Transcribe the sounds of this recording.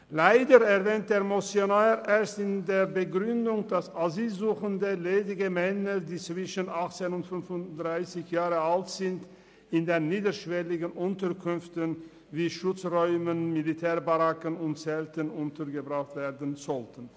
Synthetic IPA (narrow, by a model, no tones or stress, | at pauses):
laɪdəʁɛʁvɛːnt̚d̥eːɐmosjonaʁʔeːɐstɪndeːɐbəɡʁʏndʊŋd̥asaziːlzuːxəndəleːdɪɡəmɛnədiːt͡sv̥ɪʃənaχt͡seːnʊntfʏnfʊnd̥ʁaɪsɪçjaːʁəaltz̥ɪnt | ɪndeːnːiːdəʃv̥ɛlɪɡənʔʊntəkʰʏnftən | viːʃʊt͡sʁɔʏmənmilitʰɛːɐbaʁakənʊntt͡sɛltənʊntəʁɡəbʁaχtv̥eːɐdənzɔltən̩